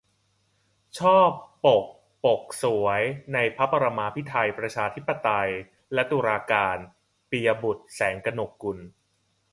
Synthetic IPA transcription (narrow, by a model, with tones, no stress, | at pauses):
t͡ɕʰɔː˥˩pːo˨˩k̚ | po˨˩k̚su˩˦əjna˧jpʰa˦˥pːa˧ɾa˧maː˧pʰi˦˥t̪ʰa˧jpɾa˧t͡ɕʰaː˧t̪ʰi˦˥pːa˧t̪a˧j | lɛ˦˥t̪uː˧ɾaː˧kaː˧n | pi˧a˧bu˨˩t̪̚sɛː˩˦ŋka˧no˨˩kːu˧n